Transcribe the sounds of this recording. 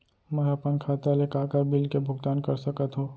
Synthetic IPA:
mɛ̃ɐpənkʰaːt̪alekaːkəɾbɪlkebʱʊɡt̪aːnkɐɾsɐkət̪ɦõː

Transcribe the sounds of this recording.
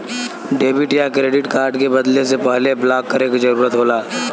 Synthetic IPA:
ɖeːbɪʈjakɾeːɖɪʈkaːɾɖkebɐd̪les̬epɛɦleblaːkːəɾeːkzɐɾuːɾət̪ɦoːlaː

